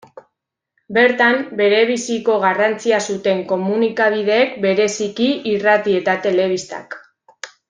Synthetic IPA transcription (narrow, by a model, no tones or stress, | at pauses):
be̞ɾt̪ambe̞ɾe̞β̞isiko̞ɣ̞arant͡siasut̪e̞ŋko̞munikaβ̞ið̞e̞ːkbe̞ɾe̞sikiːrat̪ie̞t̪at̪e̞le̞βist̪a̰k